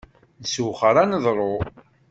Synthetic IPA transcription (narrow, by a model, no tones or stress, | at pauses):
nsuwχəɾˤanəðˤɾˤo